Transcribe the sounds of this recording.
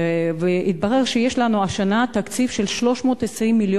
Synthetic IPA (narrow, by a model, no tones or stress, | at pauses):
veʔit̪̚baʁe̞ʁʃejeʃlanuaʃanat̪akt͡sifʃelʃlo̞ʃmo̞ːt̪esʁimːiljo